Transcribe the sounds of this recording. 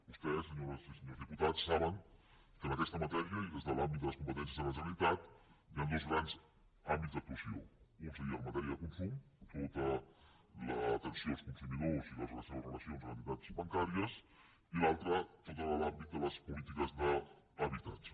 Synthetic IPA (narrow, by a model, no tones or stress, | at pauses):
bust̪ɛsəɲoɾsisəɲowzðiput̪at͡sːaβəŋ | kənəkɛst̪əmət̪ɛɾiəiðezðəlambit̪d̪ələskumpət̪ɛnsjəzðəməʒənlit̪at̪iand̪ozɣɾanz | ambitzd̪ək̚t̪uəsio̰unsəɾiələmət̪ɛɾiəðəkunsum | t̪ot̪ə | lət̪ənsijoəlˠskunsumiðoziðələzələsɛβəzrələsionzənit̪at͡sβəŋkaɾiəs | ilalˠt̪ɾət̪ot̪əəlambit̪̚d̪ələspulit̪ikəzðəː | βit̪ad͡ʒ